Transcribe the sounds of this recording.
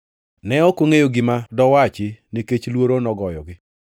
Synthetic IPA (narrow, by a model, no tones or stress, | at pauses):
nɛɔkoŋejoɡɪmadɔwat͡ʃɪneket͡ʃlwoɾonɔɡɔjɔɡɪ